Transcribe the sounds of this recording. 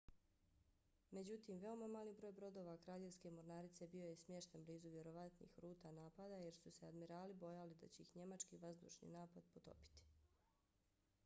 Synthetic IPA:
me̞d͡ʑut̪iːmʋe̞o̞mamaːlibɾo̞ːjbɾo̞d̪o̞ːʋakɾaːʎevʲskemo̞ɾnaːɾit̪sebio̞jesmjeʃt̪enbliːzuʋje̞ɾo̞ʋat̪nḭːxɾuːt̪anaːpad̪aje̞ɾsusead̪miɾaːlibo̞jalid̪a̰t͡ɕeixɲe̞mat͡ʃkiʋazd̪ṵːʃnḭːnaːpad̪̚pot̪o̞̰pi̥t̪i̥

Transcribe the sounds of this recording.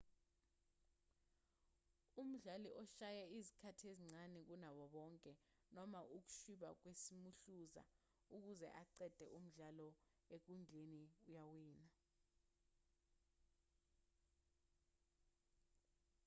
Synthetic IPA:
um̩ɮaliʔɔʃajaizikʰatʰieziŋ͡ǀanɛk̬unaɓɔɓɔŋkʼɛ | nɔmaʔuk̬u̥ʃuɓak̬wesimuɬuza̰ | uk̬uzɛ̰ʔaǀɛd̥ʱɛ̰ʔum̩ɮalɔ | ek̬und͡ɮʱeniujawiːna

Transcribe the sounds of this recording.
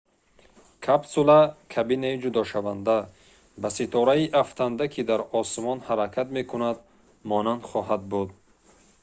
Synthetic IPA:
kʰabsulakʰabinaid͡ʒud̪ɔʃavand̪a | basit̪ʰɔɾaiʔaft̪ʰand̪akʰid̪aɾɔsmɔnhaɾakʰat̪me̞kʰunad̪ | mɔnand̪χɔɦad̪̚bud̪

